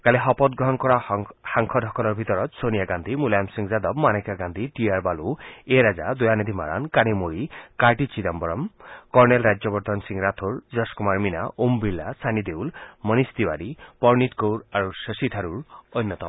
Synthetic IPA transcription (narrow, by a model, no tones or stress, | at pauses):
kaleɦɔpɔt̪ɡɾɔɦɔnkɔɾahaŋkʰɔd̪ʱɔkʰɔɾɔɾbʱit̪ɔɾɔt̪sonijaɡand̪ʱimulamsiŋzad̪ɔbmanekaɡand̪ʱiʈiaɾbalueɾad͡ʒad̪ujaned̪ʱima̰ɾa̰nkanimoɾikaɾʈit͡ʃid̪ambɔɾɔmkɔɾnelɾad͡ʒjɔbɔɾt̪ɔnsiŋɾat̪ʰoɾd͡ʒɔskumaɾmina̰ʔumbilːasanid̪ewlmənist̪iwaɾipɔɾnit̪kowɾaɾusəsit̪ʰaɾuɾɔjnːɔt̪ɔm